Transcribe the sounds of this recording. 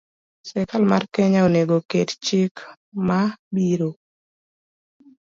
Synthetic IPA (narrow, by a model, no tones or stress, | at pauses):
sɛkalmarkɛɲaoneɡokett͡ʃɪk | mabiɾo